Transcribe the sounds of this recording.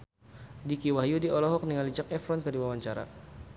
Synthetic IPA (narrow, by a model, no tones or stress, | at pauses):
dikiwaɦjudiɔlɔɦɔk̚niŋalid͡ʒakɛfɾɔnkərdiwawaɲt͡ʃaɾa̰